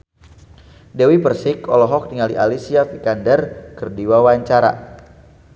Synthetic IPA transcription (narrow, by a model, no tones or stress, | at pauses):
dɛwipərsɪkɔlɔɦɔk̚diŋaliʔalisiafikandɛrkərdiwawaɲt͡ʃaɾa̰